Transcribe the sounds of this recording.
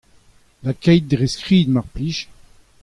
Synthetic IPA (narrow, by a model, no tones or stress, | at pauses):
lakɛjt̪̚d̪ʁeskχiːd̪maʁpliʃ